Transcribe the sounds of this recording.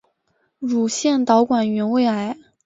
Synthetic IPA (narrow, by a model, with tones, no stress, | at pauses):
ɻu˨˩ɕjɛ˥˩nt̪ɑ˧˥ʊkwa˨˩nɥɛ˧˥nwe˥˩ɪa˧˥ɪ